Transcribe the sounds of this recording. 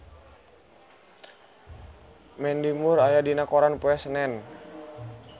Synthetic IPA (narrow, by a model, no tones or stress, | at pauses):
mɛndimuɾajadinakɔɾanpuɛsənɛn